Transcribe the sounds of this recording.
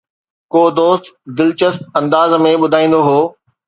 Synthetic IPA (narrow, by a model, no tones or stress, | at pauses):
koːd̪oːst̪d̪ɪlt͡ɕəsp̚ɐ̃nd̪aːzmẽɓʊd̪ʱaːĩːn̆d̪oɦoː